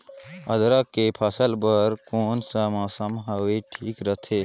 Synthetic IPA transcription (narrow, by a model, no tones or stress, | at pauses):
ɐd̪ɾakepʰasəlbəɾkoːnsamãːsəmɦaʋeʈʰiːkɾət̪ʰeː